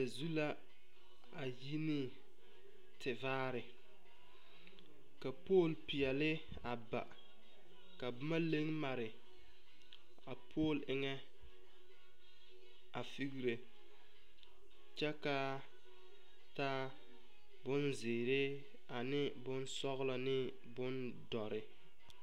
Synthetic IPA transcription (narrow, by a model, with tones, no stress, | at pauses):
a˨zu˦la˦ | a˨ji˦nɪ˦ | tʰɪ˨vaː˦ɾɪ˨ | ka˨poː˦˨lpi˨ɛ˨lɪ˦ | a˨ba̰˨ | ka˨bʊ˦ma˦le˦ŋma˨ɾɪ˨ | a˨pʰoː˦˨lɪ˦ŋɛ˦ | a˨fi˦ɣi˦ɾe˨ | t͡ʃɛ˦ka˦ | ta˦ | bʊ˦nzɪː˨ɾe˦ | a˨nɪ˦bʊ˦n˦sɔ˦ɣla˨nɪ˦ | bʊ˦n | dɔ˨ɾɪ˨